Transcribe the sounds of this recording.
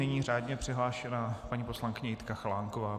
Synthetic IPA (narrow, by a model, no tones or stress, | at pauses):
ɛɲiːraːd̪ɲɛpr̥ɪɦlaːʃɛnapaɲiːpo̞slaŋkɪɲɛjɪt̪kaxlaːŋkovaː